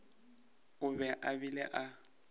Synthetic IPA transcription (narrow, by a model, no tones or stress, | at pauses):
ʊbɛʔabilɛʔa